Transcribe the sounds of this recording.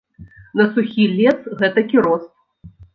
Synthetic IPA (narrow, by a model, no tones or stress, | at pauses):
nɐsuxʲilʲɛsɣɛt̪ɐkʲiɾɔst̪̚